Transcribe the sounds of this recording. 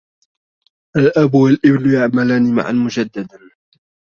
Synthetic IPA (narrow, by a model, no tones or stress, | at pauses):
ʔalʔabwalʔɪblʊjaʕmalaːniːma̰ʕa̰nmʊd͡ʒad̪ːad̪an